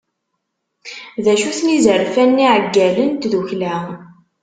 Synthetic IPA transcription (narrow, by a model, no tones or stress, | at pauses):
ðæʃuθnizəɾfænːiʕəɡːælənt̪ðuçlæ